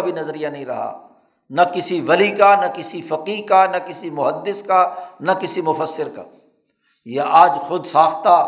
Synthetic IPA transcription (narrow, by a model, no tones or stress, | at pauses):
bʱinɐzɾijanɐɦĩɾɐ̰ɦa̰ː | nɐkɪsiʋɐlikanɐkɪsifɐqiːkanɐkɪsimʊɦəd̪ːɪskanɐkɪsimʊfəsːɪɾka̰ | jaʔaːd͡ʒxʊd̪saːxt̪a